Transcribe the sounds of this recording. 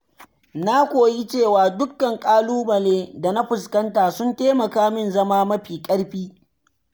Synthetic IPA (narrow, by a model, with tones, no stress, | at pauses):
na˦kʷoː˨ji˦t͡ʃeː˦˨waː˨dʊ˦kːɐ˨ŋkʼaː˦luː˦mɐ˨leː˦da˨na˦ɸʊ˨skɐ˦ntaː˨sʊ˦nteː˦mɐ˨kaː˦mɪ˦˨nzɐ˦maː˦mɐ˦ɸiː˨kʼɐ˦ɽɸiː˦